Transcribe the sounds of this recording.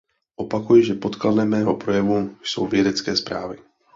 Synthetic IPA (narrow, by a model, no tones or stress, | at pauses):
ʔo̞pakujɪʒɛpo̞t̪kladlɛmːɛːɦopɾojɛvujso̰wvjɛdɛt͡skɛːspɾa̰ːvɪ